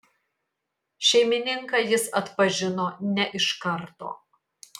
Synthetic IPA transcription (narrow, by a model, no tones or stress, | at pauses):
ʃʲɛɪmʲɪnʲɪŋkɐjɪsɐt̪pɐʒʲɪnoːnʲɛʔɪʃkɐɾt̪o̰ː